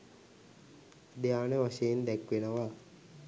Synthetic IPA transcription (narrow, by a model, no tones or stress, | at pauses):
d̪ejaːnəʋaʃejend̪ækʋenəʋa